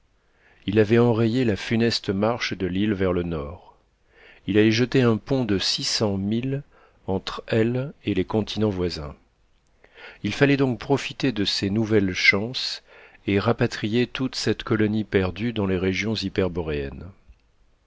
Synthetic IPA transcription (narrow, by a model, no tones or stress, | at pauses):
ilavɛɑ̃ʁejelafynɛst̪əmaʁʃd̪əlilvɛʁlənɔːʁ | ilalɛʒət̪eɛ̃pɔ̃d̪əsisɑ̃mil | ɑ̃t̪χɛlelekɔ̃t̪ʰinɑ̃vwazɛ̰̃ | ilfalɛd̪ɔ̃k̚pχɔfit̪ed̪əsenuvɛlʃɑ̃seʁapat̪χijet̪ut̪sɛt̪kɔlɔnipɛʁd̪yd̪ɑ̃leʁeʒjɔ̃zipɛʁbɔʁeɛ̰n